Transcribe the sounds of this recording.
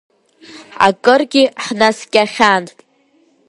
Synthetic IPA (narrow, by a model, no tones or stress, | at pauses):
a̰kʼɨrɡʲiħnaskʲʼaχʲanʼ